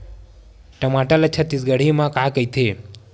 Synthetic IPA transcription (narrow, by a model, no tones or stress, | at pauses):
ʈəmaʈələt͡ʃʰət̪isɡəɽ̤imãkakəjt̪ʰe